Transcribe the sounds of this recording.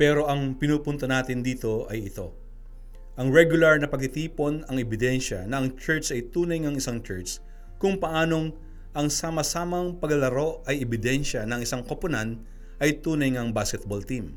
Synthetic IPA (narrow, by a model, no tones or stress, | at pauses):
pɛːɾo̞ʔɐŋpɪnuːpʊnt̪onaːt̪ɪnd̪iːt̪o̞ʔɐjɪt̪o̞ | ʔɐŋɹɛɡjʊlɐɹnɐpɐɡ̚t̪ɪt̪iːpo̞nɐŋɛbɪd̪ɛnʃɐ̰nɐʔɐŋt͡ʃɛɹt̪sɐjt̪uːnɐjŋɐŋɪsaŋt͡ʃɛɹt̪s | kʊŋpɐʔaːno̞ŋ | ʔɐŋsaːmɐsaːmɐŋpɐɡɐlɐɾo̞ʔɐjɛbɪd̪ɛnʃɐnɐŋɪsaŋkopʊnan | ʔɐjt̪uːnɐjŋɐŋbaːskɛt̪̚bolt̪im